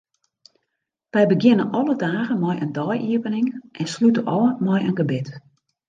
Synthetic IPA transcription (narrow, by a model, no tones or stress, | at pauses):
ʋɛjbəɡjɪnənʔɔlədaːɣənmɔjʔəndɔjʔiəvənɪŋʔɛnslytəʔɔəmɔjʔənɡəbɪt